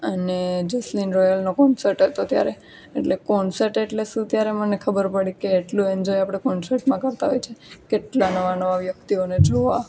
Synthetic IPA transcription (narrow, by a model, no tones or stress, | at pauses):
əned͡ʒəslinɾɔjəlnokɔnsəɾʈɦet̪ot̪ja̰ɾe | eʈlekɔnsəɾʈeʈlesũt̪jaɾemənekʰəbəɾpəɽikeːʈlũend͡ʒɔjapɽ̃ekɔnsəɾʈmãkəɾt̪aɦojt͡ʃʰekeʈlanəʋanəʋaʋjəkt̪ioned͡ʒoʋa